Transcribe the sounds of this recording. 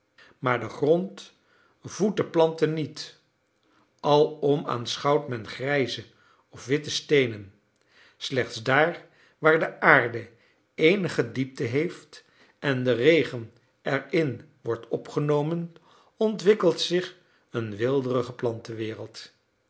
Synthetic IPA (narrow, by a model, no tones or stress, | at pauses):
maːɹdəχrɔnt | vut̚dəplɑntənːit | ʔɑlˠɔma̰ːnsχɑwtmɛnχrɛjzə | ɔfʋɪtəstejnən | slɛχtsdaːɹ | ʋaːɹdəʔaːɹdə | ejnəχədip̚təɦejft | ɛndərejχən | ɛɹɪn | ʋɔɹtʰɔpχənowmən | ɔntʋɪkəlˠtsɪχ | ənʋɪlˠdərəχəplɑntəʋɪːrəlˠt